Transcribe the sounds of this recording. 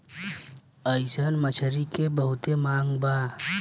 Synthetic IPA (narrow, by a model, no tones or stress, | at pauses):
əɪsənmət͡ʃʰəɾikebəɦʊt̪emãːŋɡbaː